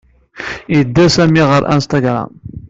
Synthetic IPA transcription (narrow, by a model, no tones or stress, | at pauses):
jəd̪ːæsæmiʁəɾˤʔæ̰nst̪ɑɡɾˤa̰m